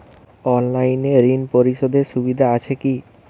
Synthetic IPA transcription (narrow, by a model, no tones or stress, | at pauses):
ɔnlajneɾinpoɾiʃod̪eɾʃubid̪ʱaat͡ɕʰeki